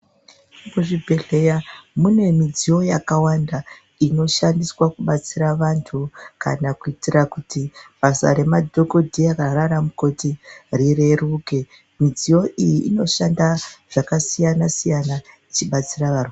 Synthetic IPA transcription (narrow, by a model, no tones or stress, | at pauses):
kuʐibʱe̞ɮejamune̞mid͡zijo̞jakawanda | ino̞ʃandiswakuɓat͡siɾaʋantʰuka̰nakuitirakutiɓasa̰ɾe̞madʱo̞ko̞dʱiakaɾaɾamuko̞tirire̞ruːke̞ | mid͡ziwo̞ʔijiʔino̞ʃandaʐ̥akasijanasijanait͡ʃiɓat͡siraʋaru